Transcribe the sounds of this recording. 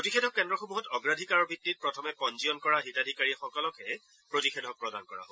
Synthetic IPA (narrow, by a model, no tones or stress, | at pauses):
ɹotixɛdʱɔk̚ːɛndɹɔxomuɦɔtɔɡɹadʱikaɹɔɹbʱitːit̚pɹɔtʰɔmɛpɔnzijɔnkɔɹaditadʱikaɹixɔkɔlɔkɛ | pɹotixɛdʱɔk̚pɹɔda̰nkɔɹa̰ɦo